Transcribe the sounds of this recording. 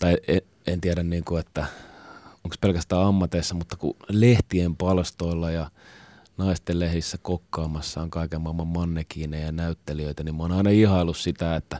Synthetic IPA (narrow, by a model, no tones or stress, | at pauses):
t̪ɑie | ent̪iæɾænniːŋkuet̪ːæ | oŋkspelkæst̪æːɑmːɑt̪eisːɑmut̪ːɑkṵleht̪iempɑlst̪oilːɑjɑ | nɑist̪ellehɾisːækokːɑːmɑsːɑːŋkɑikemːɑmːɑmmɑnːekiːnejɑnæyt̪ːeliøit̪ænimmoːnɑinɑihɑilːussit̪æet̪ːæ